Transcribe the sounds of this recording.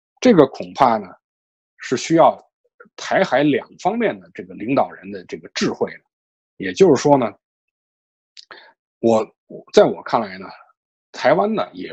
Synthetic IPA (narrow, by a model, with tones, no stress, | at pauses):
ʈ͡ʂɤ˥˩ɡə˩kʰʊ˨˩ŋpʰa˥˩nə˩ | ʂɻ̩˥˩ɕy˥jɑ˥˩ʊ | t̪ʰa˧˥ɪxa˧˥ɪljɑ˨˩ŋfɑ˥ŋmjɛ˥˩nd̪ə˩ʈ͡ʂɤ˥˩ɡə˩li˧˥ŋt̪ɑ˨˩ʊɻə˧˥nd̪ə˧ʈ͡ʂɤ˥˩ɡə˩ʈ͡ʂɻ̩˥˧xwe˥˩ɪnə˩ | jɛ˨˩t͡ɕjo˥˧ʊʂɻ̩˥˩ʂwɔ˥nə˨˩ | wɔ˧˩ | wɔ˨˩t͡sa˥˩ɪwɔ̰˨˩kʰa˥˩nla˧˥ɪnə̰˧ | t̪ʰa˧˥ɪwa˥nnə̰˨jɛ˨˩